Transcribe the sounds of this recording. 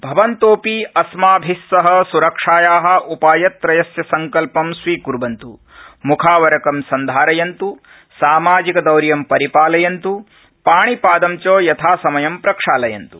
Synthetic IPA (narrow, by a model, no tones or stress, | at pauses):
bʱɐʋɐnt̪oːpiɐsmaːbʱisːɐɦɐ̆suɾɐkʂaːjaːɦɐ̆ʔupaːjɐt̪ːɾɐjɐsjɐsɐŋkɐlpɐmsʋiːkuɾbɐnt̪ṵ | mukʰaːʋɐɾɐkɐmsɐnd̪ʱaːɾɐjɐnt̪u | saːmaːd͡ʒikɐd̪ɐwɾjɐmpɐɾipaːlɐjɐnt̪u | paːɳipaːd̪ɐmt͡ʃoːjɐt̪ʰaːsɐmɐjɐmpɾɐkʂaːlɐjɐ̰nt̪u